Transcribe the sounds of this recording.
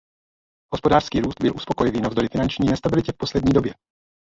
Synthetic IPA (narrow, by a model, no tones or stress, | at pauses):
ɦo̞spo̞daːr̥skiːɾuːst̪̚bɪlʔuspo̞ko̞jɪviːnavzd̪o̞ɾɪfɪnant͡ʃɲiːnɛst̪abɪlɪcɛfpo̞slɛdɲiːdo̞bjɛ